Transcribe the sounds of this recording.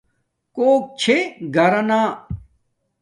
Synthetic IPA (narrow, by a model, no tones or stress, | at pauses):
koːk̚t͡ɕʰeɡʱɐɾɐnaː